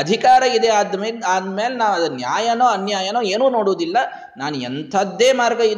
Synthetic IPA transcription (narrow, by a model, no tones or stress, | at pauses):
ɐd̪ʱikaːɾɐid̪eaːd̪meːlaːd̪meːlenaːʋɐd̪ɐnjaːjɐnoːɐnjaːjɐnoːeːnuːno̞ːɽoːd̪ilːɐ | naːnuɛnt̪ʰɐd̪ːeːmaːɾɡɐid̪